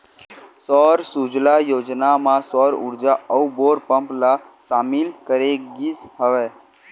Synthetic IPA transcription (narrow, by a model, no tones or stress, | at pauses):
sɔɾsud͡ʒlajoːd͡ʒnamãsɔɾʊ̰ɾd͡ʒaəuboɾpəmplasaːmɪlkəɾeɡisɦəʋe